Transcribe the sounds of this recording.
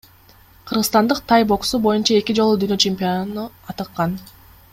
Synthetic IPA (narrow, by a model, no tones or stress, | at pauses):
qʰɯɾʁɯt̪ɑnd̪ɯq̚t̪ʰɑjbo̞ksubo̞junt͡ʃɑe̞kʲid͡ʒo̞lˠud̪yːnøt͡ʃemʲpʲio̞nuɑt̪ɯqːɑn